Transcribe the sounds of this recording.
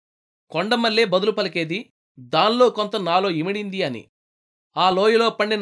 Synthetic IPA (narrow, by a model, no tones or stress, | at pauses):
kɔɳɖɐmɐlːeːbɐd̪ulupɐlɐke̞ːd̪i | d̪aːnlo̞ːkont̪ɐnaːlo̞ːimiɽind̪iɐnḭ | aːloːjɐlo̞ːpɐɳɖin